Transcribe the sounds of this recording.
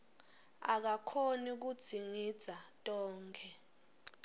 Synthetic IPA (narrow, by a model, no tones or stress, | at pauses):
a̰k̬akʰonik̬ud̥z̥ʱiŋid̥z̥ʱatʼɔːŋkʰɛ